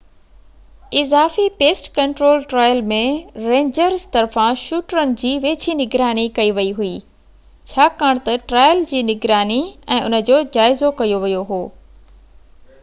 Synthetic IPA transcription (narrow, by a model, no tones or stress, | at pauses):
ɪzaːfipeːsʈkɐ̃ɳʈɾoːlʈɾaːjəlmẽɾẽːɲd͡ʑəɾzt̪ɐɾfãʃuːʈɾənɪ̆d͡ʑiːʋeːt͡ɕʰinɪɡɾaːnikɐiʋɐiɦuiː | t͡ɕʰaːkaːɽ̃t̪ɐʈɾaːjəld͡ʑiːnɪɡɾaːniɛ̃ːʊnə̆d͡ʑoːd͡ʑaːɪzokɐjoʋɐjoɦoː